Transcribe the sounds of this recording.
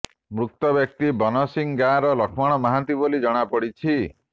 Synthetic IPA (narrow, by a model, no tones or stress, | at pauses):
mɾuk̚t̪ɔbjɔk̚t̪ibɔnɔsiŋɡaɾɔlɔkʰmaɽ̃ɔmaɦant̪ibolid͡ʒɔɽ̃apɔɽit͡ʃʰi